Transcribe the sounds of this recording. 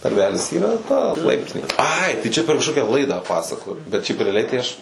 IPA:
nɐrʲˈʋʲæːlʲɪs ˈiːrɐ ˈtɐ ˈlˠɐɪpʲtʲɪnʲeː ˈɐɪ tɐɪ ˈt͡ʃʲɛ pʲɛr kɐʃˈkoːkʲɛ ˈlˠɐɪdɑː ˈpɑːsɐkoːjoː bʲɛt ʃʲɛɪp rʲɛɐˈlʲɛɪ tɐɪ ˈɐʃ

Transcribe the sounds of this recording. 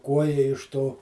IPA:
ˈkuɔjɛ ɪʃ ˈtoː

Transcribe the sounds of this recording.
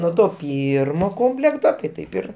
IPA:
nuɔ ˈtoː ˈpʲiːrmoː ˈkoːmʲpʲlʲɛktoː tɐɪ ˈtɐɪp ɪr

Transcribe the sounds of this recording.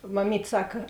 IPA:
mɐˈmʲiːtʲ ˈsɑːkɐ

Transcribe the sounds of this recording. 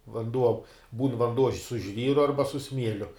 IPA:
ʋɐnˈduɔ buːn ʋɐnˈduɔ sʊ ˈʒʲʋʲiːrʊ ˈɐrbɐ sʊ ˈsʲmʲiɛlʲʊ

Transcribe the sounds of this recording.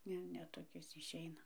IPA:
ˈnʲɛ ˈnʲɛ toːˈkʲɪs ɪʃʲˈɛɪnɐ

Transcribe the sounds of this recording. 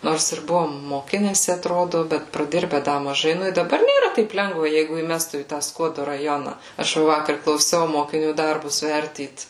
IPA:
ˈnoːrs ɪr ˈbʊʋoːm moːˈkʲɪnʲɛsʲɪ ɐtˈroːdʊ ˈbʲɛt prɐˈdʲɪrʲbʲɛ ˈdɐ mɐˈʒɐɪ ˈnʊ ɪ dɐˈbɐr nʲeːˈrɐ ˈtɐɪp ˈlʲɛŋɡʋɐ ˈjɛɪɡʊ iːˈmʲæːstuː iː tɑː ˈskuɔdʊ rɐˈjoːnɐ ɐʃ ˈʋɐ ˈʋɑːkɐr klˠɐʊˈsʲɛʊ moːkʲɪˈnʲuː ˈdɐrbʊs ˈʋʲɛrʲtʲiːt

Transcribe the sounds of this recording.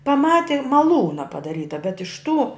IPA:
pɐˈmɑːtʲɪ mɐˈlˠuːnɐ pɐdɐˈrʲiːtɐ bʲɛt ɪʃ tuː

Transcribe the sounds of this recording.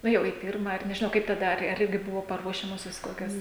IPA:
ˈnʊ jɛʊ iː ˈpʲɪrmɐ ɐr nʲɛʒʲɪˈnɐʊ kɐɪp tɐˈdɐ ɐr ˈɪrʲɡʲɪ ˈbʊʋoː pɐˈruɔʃʲɛmoːsʲoːs ˈkoːkʲoːs

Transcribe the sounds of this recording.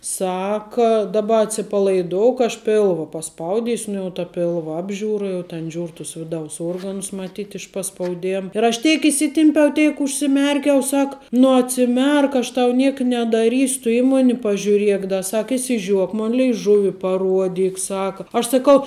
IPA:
ˈsɑːkɐ dɐˈbɐ ɐtʲsʲɪpɐlˠɐɪˈdoːʊk ɐʃ ˈpʲeːlˠʋɐ pɐˈspɐʊdʲɪsʲʊ ˈnʊ jɛʊ tɐ ˈpʲɪlˠʋɐ ˈɑːbʲʒʲuːrɐ jɛʊ tʲɛn ˈʒʲuːr tʊs ˈʋʲɪˌdɐʊs ˈuɔrɡɐnʊs mɐˈtʲiːt ɪʃ pɐspɐʊˈdʲeːm ɪr ɐʃ ˈtʲɛɪk iːˈsʲɪtʲɪmʲpʲɛʊ ˈtʲɛɪk ʊʃʲsʲɪˈmʲɛrʲkʲɛʊ ˈsɐk nʊ ɐtʲsʲɪˈmʲɛrk ɐʃ tɐʊ ˈnʲiɛk nʲɛdɐˈrʲiːsʲʊ tʊ ˈiː ˈmoːnʲɪ pɐʒʲuːˈrʲiɛk dɐ ˈsɐk ɪʃʲsʲɪˈʒʲuɔk ˈmoːn lʲɛɪˈʒʊʋʲɪ pɐˈruɔdʲiːk ˈsɑːkɐ ɐʃ sɐˈkɐʊ

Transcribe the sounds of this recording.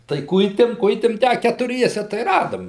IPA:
tɐɪ ˈkʊɪtʲeːm ˈkʊɪtʲeːm ˈtʲæː ɐ kʲɛtʊˈrʲiɛsʲɛ tɐɪ ˈrɑːdoːm

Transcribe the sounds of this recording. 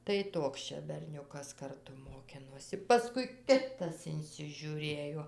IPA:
tɐɪ ˈtoːks t͡ʃʲɛ bʲɛrʲˈnʲʊkɐs kɐrˈtʊ moːˈkʲɪnoːsʲɪ pɐˈskʊɪ ˈkʲɪtɐs ɪnʲsʲɪʒʲʊˈrʲeːjoː

